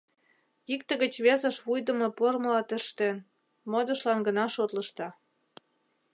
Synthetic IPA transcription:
ikt̪ə̆ɣət͡ɕβezə̆ʃβujd̪ə̆mɤ̆porməlɑt̪əʃt̪en | mod̪ə̆ʃlɑnɡənɑʃot̪lə̆ʃt̪ɑ

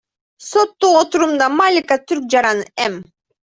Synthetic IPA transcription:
so̞t̪ːuot̪uɾumd̪ɑmalʲɪkat̪yɾk̚d͡ʒɑɾɑnɯɛm

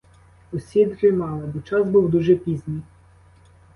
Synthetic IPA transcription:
ɔsʲid̪ɾɪmɑlˠɐbɔt͡ʃɑzbuwd̪uʒɛpʲizʲnʲij

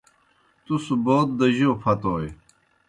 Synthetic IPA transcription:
t̪usuboːt̪̚d̪ɐʑoːpʰɐt̪oːj

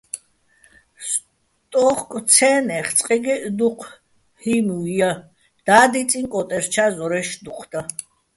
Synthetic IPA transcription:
s | t̪ʼɔχkʼt͡sʰɛːnɛχt͡sʼqʼiɡɛʔd̪uqʰ | himuja | d̪̥aːd̪it͡sʼiŋkʼɔt̪ʼɛɾt͡ʃʰazɔɾɛʃd̪uqʰd̪̥a

